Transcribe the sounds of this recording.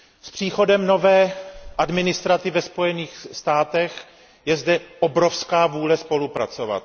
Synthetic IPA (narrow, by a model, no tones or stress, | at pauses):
spr̝̥iːxo̞dɛmno̞vɛːʔadmɪnɪst̪ɾat̪ɪvɛspo̞jɛniːxst̪aːt̪ɛx | jɛzdɛʔobɾofskaːvuːlɛspo̞lupɾa̰t͡so̞va̰t̪